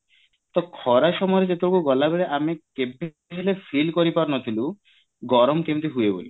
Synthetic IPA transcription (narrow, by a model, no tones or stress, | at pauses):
t̪ɔkʰɔɾaʃɔmɔjɾed͡ʒet̪oɾokuɡɔlabeɾeʔamekebːe | kʰelefʰilkɔɾipɔɾnɔt̪ʰilu | ɡɔɾɔmkebt̪iɦujebo̰li